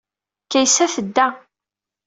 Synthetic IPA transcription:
kːæjsæfəd̪ːæ

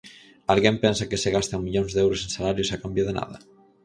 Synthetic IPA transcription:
alɣempɛnsakeseɣast̪aŋmiʎonzðewɾosensalaɾjusakambjaðenʔa̰ðɐ̰

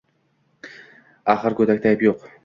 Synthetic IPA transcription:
aχɨɾkɵd̪ak̚ʲt̪ʰajɪpjoq

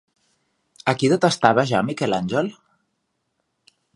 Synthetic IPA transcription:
əkiðət̪əst̪aβəʒamikɛlanʲʒəl

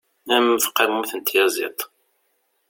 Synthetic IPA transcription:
æmθqːamuθənt̪jɑzˤḭt̪ˤ

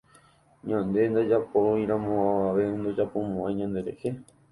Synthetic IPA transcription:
ɲãnd̪e̞nd̪ad͡ʒapojɾãmõaaʋe̞ɨ̃nd̪od͡ʒapomõãɲãnd̪e̞ɾe̞he

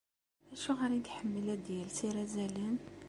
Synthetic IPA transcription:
æʃuɣaɾint̪ħəmːəlæd̪jælsiɾæzælən

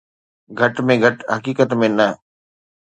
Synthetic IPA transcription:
ɡʱɐʈmẽɡʱɐʈɦɐkiːkət̪mẽnɐ

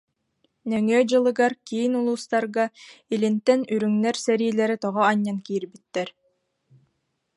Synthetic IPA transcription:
nɛŋœːd͡ʑɯlˠɯɡaɾkiinulˠuːst̪aɾɡailint̪ɛnyɾyŋnɛɾsɛɾiːlɛɾit̪ɔʁɔaɲːankiːɾbit̪ːɛɾ

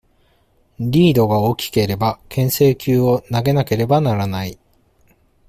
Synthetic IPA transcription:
ɾʲiːd̪o̞ɡaokʲi̥ke̞ɾe̞bakʰẽ̞ɰ̃se̞ːkʲɨːo̞naɡe̞nake̞ɾe̞banaɾanai

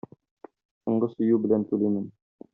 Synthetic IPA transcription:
sŏɴɢɤsɵ̆jʉbɘ̆lænt̪ʉlimɘm

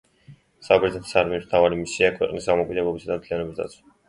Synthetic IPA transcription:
sabɛɾzɛt̪ʰi̥saɾmiɔsm̥t̪ʰavaɾimisiakʰwɛ̰qʼnisɡamɔkʼid̪ɛblˠɔbisad̪amt̪ʰlijanɔbisd̪at̪sʰw

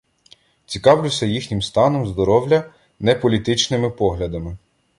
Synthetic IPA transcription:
t͡sʲikɑwlʲʊsʲɐjixnʲimst̪ɑnɔmzd̪ɔɾɔwlʲɐ | nɛpɔlʲit̪ɪt͡ʃnɪmɪpɔɦlʲɐd̪ɐmɪ

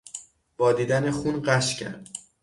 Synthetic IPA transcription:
b̥ɒːd̪iːd̪ænexunɢæʃcʰæ̰ɾd̪̥

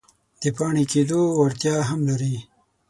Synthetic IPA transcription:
d̪̥əpɑːɳikeːd̪owɐɾt̪jɑːɦamlaɾi

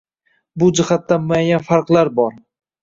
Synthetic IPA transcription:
bʊd͡ʒɪhat̪ːanmʊajːanfaɾqlˠaɾbɒɾ

